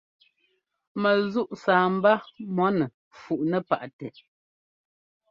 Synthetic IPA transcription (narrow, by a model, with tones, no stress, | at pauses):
mə˨zu˦ʔsaː˨m̩˦ba˦mɔ˦nɛ˨ | fu˨ʔnə˦pa˨ʔtɛ˨